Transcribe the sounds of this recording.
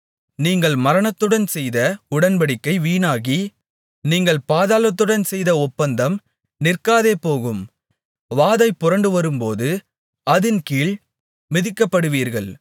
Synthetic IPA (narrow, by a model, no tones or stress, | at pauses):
niːŋɡɐɭmɐɾɐɳɐt̪ːɯɽɐnsɛjðɐʊɽɐnbɐɽɪkːɐɪʋiːnaːɣi | niːŋɡɐɭpaːðaːlɐt̪ːɯɽɐnsɛjðɐɔpːɐnd̪ɐm | nɪrkaːðeːpːoːɣɯm | ʋaːðɐɪpːʊɾɐɳɖɯʋɐɾɯmpoːðɯ | ɐðɪnkiːɭ | mɪðɪkːɐpːɐɽɯʋiːɾɣɐɭ